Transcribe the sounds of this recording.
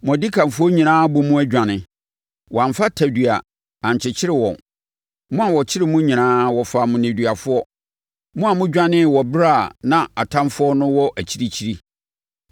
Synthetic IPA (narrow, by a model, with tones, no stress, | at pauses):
m˨ɔ̃˨di˦kʰã˨mfʊ˦ɔ˦ɲĩ˨nãː˦bʊ˨mũ˦æ˦d͡ʑᶣã˨nɪ̃˨ | wã˨ɱfa˦tʰæ˨dɥa̰˨ | ã˨ɲ˨t͡ɕʰɪ˨t͡ɕʰɪ˦ɾɪ˦˨wɔ̰̃˨ | mʊ̃˦a˨wɔ˨t͡ɕʰɪ˦ɾɪ˦mʊ̃˦ɲĩ˨nãː˦wɔ˨fa˨mʊ̃˨nẽ˨dɥa˨fʊ˦ɔ˦ | mʊ̃˦a˨mʊ̃˦d͡ʑᶣã˦nɪ̃˦˨wɔ˨bɾa˦˨nã˨a˨tʰã˦mfʊ˦ɔ˦nʊ̃˦wɔ˦ʔæ˨t͡ɕʰi˦ɾi˦t͡ɕʰi˦ɾi˦